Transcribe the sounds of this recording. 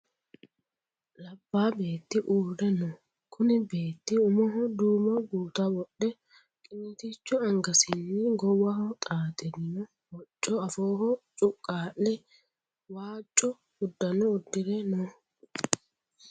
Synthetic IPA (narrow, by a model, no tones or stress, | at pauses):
lɐbːaːbeːt̪ːɪʔuːɾɛnɔ | kʰʊnɪbe̞ːt̪ːɪʊmɔɦɔd̪uːmɔɡuːt̪ɐwɔɗɛ | kʼɪnːɪt̪it͡ʃːʊɐŋɡɐsɪnːɪɡɔwɐhɔt̪ʼaːt̪ʼɛd̪ɪnɔ | wɔt͡ʃʼːɔɐfoːhɔt͡ʃʼʊkʼːaːʔːɛ | waːt͡ʃʼːɔ | ʊd̪ːɐnɔʊd̪ːɪɾɛnɔ